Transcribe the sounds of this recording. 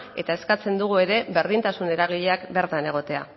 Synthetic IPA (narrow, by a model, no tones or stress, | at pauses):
e̞t̪ae̞skat͡se̞nd̪uɣ̞ue̞ɾe̞be̞ɾðint̪asune̞ɾaɣ̞iʎeakbe̞ɾt̪ane̞ɣ̞o̞t̪e̞a